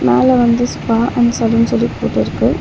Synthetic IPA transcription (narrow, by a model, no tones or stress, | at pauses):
meːlɛʋɐnd̪ɯspaːʔɐnɐsɐlunsɔlːipːoːʈːɪɾɯkːɯ